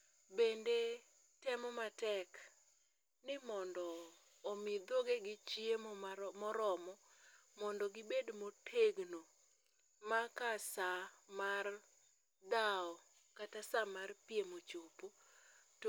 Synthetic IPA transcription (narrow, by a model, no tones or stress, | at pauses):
bende | tɛmɔmatɛk | nɪmɔndɔː | mɪd̪oɡeɡɪt͡ʃiemmɔɾɔmɔmɔndɔɡɪbedmotʰeɡno | makasamar | daɔ | katasamarpɪemot͡ʃopo | t